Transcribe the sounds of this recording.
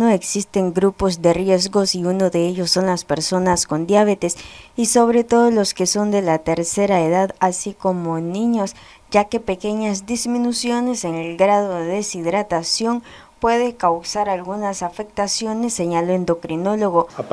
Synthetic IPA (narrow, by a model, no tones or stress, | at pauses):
noe̞ksist̪e̞ŋɡɾupo̞zd̪e̞rje̞zɣo̞siunoðe̞eʝo̞sːo̞nlaspe̞ɾso̞nasko̞nd̪jaβe̞t̪e̞siso̞βɾe̞t̪o̞ðolo̞ske̞so̞nd̪e̞lat̪e̞ɾse̞ɾae̞ðaðasiko̞mo̞nĩɲo̞s | ɟ͡ʝake̞pe̞ke̞ɲazd̪izminusjo̞ne̞se̞ŋe̞lɡɾaðo̞ðeðesiðɾat̪asjo̞ŋ | pwe̞ð̞ekawsaɾalɣunasafe̞k̚t̪asjo̞ne̞sːe̞ɲaloend̪o̞kɾino̞lo̞ɣo̞